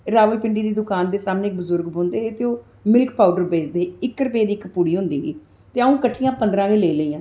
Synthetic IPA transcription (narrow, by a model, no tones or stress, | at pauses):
ɾaːʋəlpɪɳɖiːd̪iːd̪ʊkaːnd̪eːsaːmneːk̚bəzʊɾɡbõːnd̪eːeːt̪eoː | mɪlkpaːuɖəɾbeːt͡ʃd̪eːɪkːɾəpeːd̪iːɪkpuːɽiːɦʊ̃nd̪iːiː | t̪eːaũːkəʈʰːijãːpənd̪ɾãːɡeːleːləiːãː